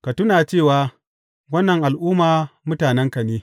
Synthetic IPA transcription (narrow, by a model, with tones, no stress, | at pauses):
ka˨tʊ˦naː˨t͡ʃeː˦˨waː˦ | wɐ˦nːɐ˨ŋʔa˨lʔʊː˦maː˨mʊ˦taː˨nɛ˦ŋka˨neː˦